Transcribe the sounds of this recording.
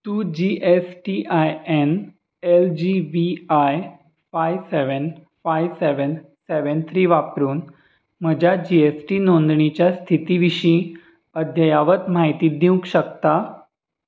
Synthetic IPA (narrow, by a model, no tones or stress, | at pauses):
t̪uːd͡ʑiʔesʈiʔajen | eld͡ʑiʋiaj | fajʋseʋən | fajʋseʋənseʋənt̪ʰɾiːʋapɾuːn | m̤əd͡ʑjad͡ʑiesʈiːnond̪ɳit͡ɕjast̪ʰit̪iːʋiɕĩː | əd̪ʱjəjaʋət̪maɦit̪iːd̪iũkɕəkt̪a